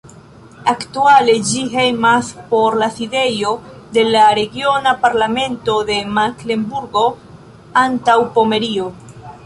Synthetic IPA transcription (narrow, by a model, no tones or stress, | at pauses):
aktuale̞d͡ʒiɦejmaspo̞ɾlaside̞jo̞ | de̞laɾe̞ɡio̞napaɾlame̞nto̞de̞makle̞mbuɾɡo̞ | antawpo̞me̞ɾio̞